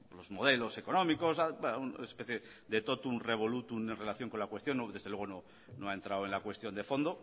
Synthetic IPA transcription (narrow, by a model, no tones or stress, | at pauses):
lo̞zmo̞ð̞e̞lo̞se̞ko̞nõ̞miko̞sabeunespeθje | ðet̪o̞t̪unre̞βo̞lut̪une̞nre̞laθjo̞ŋko̞nlakwe̞st̪jo̞nːoðe̞zðelwe̞ɣ̞ono̞ | noae̞nt̪ɾawe̞nlakwe̞st̪jo̞nd̪e̞fo̞nd̪o